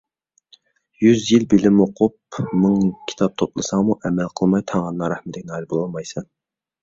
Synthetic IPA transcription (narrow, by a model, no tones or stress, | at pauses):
jyzjilbɪlɪmoqʰʊp̚mɨŋkʲʰi̥t̪ʰɑp̚t̪ʰoplˠɨsɑŋmuʔɛmælqʰəlˠmɑjt̪ʰɑŋʁɑnːɑɾæhmɪt̪ʰɪkʲnɑːjlbolˠɑlˠmɑjsɑn